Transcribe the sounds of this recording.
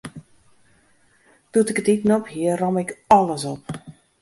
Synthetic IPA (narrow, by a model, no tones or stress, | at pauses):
d̥utɪkətitnɔphiərɔmɪkɔləsɔp̚